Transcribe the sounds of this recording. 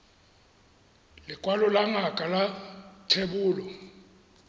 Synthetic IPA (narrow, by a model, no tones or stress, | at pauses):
lɪkʼwalɔlaŋʱakʼalatʰeɓuːlɔ